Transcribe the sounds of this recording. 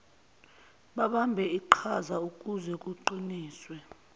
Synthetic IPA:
ɓaɓambʱɛiǃʰazaukʼuzɛk̬ʼuǃiniːswɛ

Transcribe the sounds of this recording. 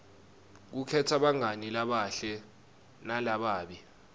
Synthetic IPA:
k̬ukʰɛtʰaɓaŋanilaɓaɬɛ | nalaɓaːɓi

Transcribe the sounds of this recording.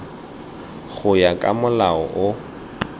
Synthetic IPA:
ɣʊjakʼa̰mʊlaɔʔʊ

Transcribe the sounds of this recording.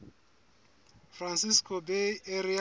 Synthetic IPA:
fransiskʰʼobeeɾia

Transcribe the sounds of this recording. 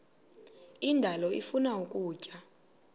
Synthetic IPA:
indʱalɔḭfunaukʼuːcʼa

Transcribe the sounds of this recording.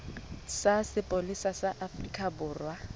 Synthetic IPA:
sasɪpʼolisasaʔafrikʼabʊːrwa

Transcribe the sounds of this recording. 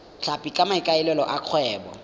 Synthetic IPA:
t͡ɬʰapʼikʼamaɪkʼaɪlɛlɔʔaq͡χʰwɛːbɔ̰

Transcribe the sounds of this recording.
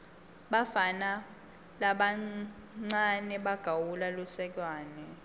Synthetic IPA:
ɓafana | laɓa | ŋ͡ǀanɛɓaɡ̥ʱawulalɔsɛk̬ʼwaːnɛ

